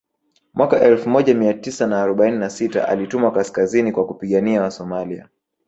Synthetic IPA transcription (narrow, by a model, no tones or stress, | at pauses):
mwakaʔɛlfumɔʄamiatisanaːɾɔɓaininasita̰ʔa̰litumwakaskazinikwakupiɠaniawasɔmalia̰